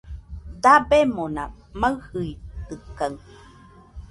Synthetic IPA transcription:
d̪abemona̰ | maɰhɯit̪ɯkːaŋ

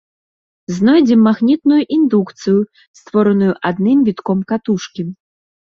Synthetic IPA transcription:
znɔjd͡zʲɛmːaɣnʲit̪̚nujuʔind̪ukt̪sɨju | st̪vɔɾɐnujuʔad̪nɨmvʲit̪kɔmkat̪uʂkʲi

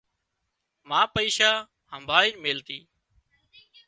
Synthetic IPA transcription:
mãːpəiːʃaː | həmbʱaːiːnmeːlt̪iː

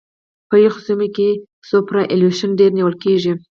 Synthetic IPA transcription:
pəjixʊsumike | sopɾaʔeluʃənɖeɾniwəlkeʐi

